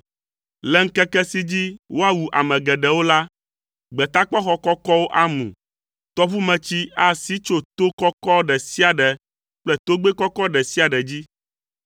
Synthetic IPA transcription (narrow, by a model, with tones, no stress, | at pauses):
lɛ˦ŋ̩˦kɛ˦kɛ˦si˦d͡ʑi˦wʔo˦a˦wu˨ʔa̰˨mɛ̃˨ɡɛ˨ɖɛ˨wo˦la˦ | ɡ͡bɛ˨t̪a˦k͡pɔ˦xɔ˦kɔ˦kɔ˦wo˦ʔa˦mṵ̃˨ | t̪ɔ˦βu˦mɛ̃˨t͡ɕi˦a˦˨si˦t͡ʃo˦t̪o˦kɔ˦kɔ˦ɖɛ˨si˦a˨ɖɛ˨ | k͡plɛ˦t̪o˦ɡ͡be˦kɔ˦kɔ˦ɖɛ˨si˦a˨ɖɛ˨d͡ʑi˦